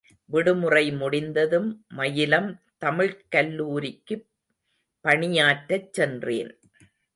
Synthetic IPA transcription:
ʋɪɽɯmɯrɐɪmʊɽɪnd̪ɐðɯmːɐjɪlɐmt̪ɐmɪɻkɐlːuːɾɪkːɯ | pːɐɳɪjaːʈːɐt͡ʃːɛndrḛːn

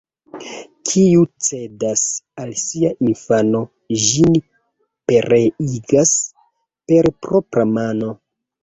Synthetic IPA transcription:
kʰiut͡se̞dasalsiaʔinfano̞ | ʒin | pe̞ɾeiɡas | pe̞ɾpɾo̞pɾamano̞

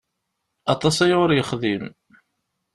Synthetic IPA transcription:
ɑt̪ˤɑsæjʊɾjəχðim

